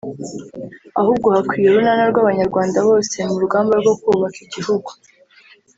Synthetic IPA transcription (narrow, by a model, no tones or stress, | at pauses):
ahuːb̚ɡo̞hakwiːje̞ɾunanaɾɡwaβaɲaɾɡwaːndaβo̞ːse̞muɾuɡaːmbaɾɡo̞kuːβakiɟihuɡu̥